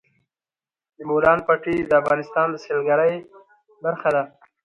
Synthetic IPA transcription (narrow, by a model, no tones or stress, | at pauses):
d̪əmolɑnpaʈid̪əafɣɑnɪst̪ɑnd̪əselɡaɾəj | baɾxad̪a